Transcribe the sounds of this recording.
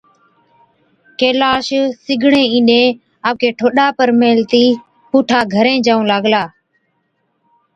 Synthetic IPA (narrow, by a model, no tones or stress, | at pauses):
keːlaːʃsɪɡʱɳẽːĩːnɗẽː | aːkeːʈʰoːɗaːpəɾmeːlt̪iː | puːʈʰaːɡʱəɾẽːd͡ʒaːũːlaːɡlaː